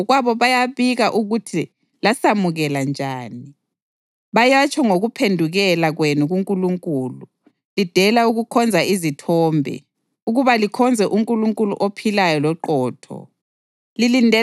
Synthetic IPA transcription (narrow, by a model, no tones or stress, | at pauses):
ɣwaβɔβajaβiɣaʔuɣutʰi | lasamuɣɛland͡ʒʱaːni | βajat͡ʃʼʰɔŋoɣupʰendʱuɣɛlaɣwenuɣuŋkʼuluŋkʼuːlu | lid̥ʱɛlauɣukʰɔnd͡zʱaizitʰɔːmbʱɛ̰ | uɣuβalikʰɔnd͡zʱɛʔuŋkʼuluŋkʼulṵʔopʰilajɔlɔǃɔːtʰɔ̰ | lilindʱɛ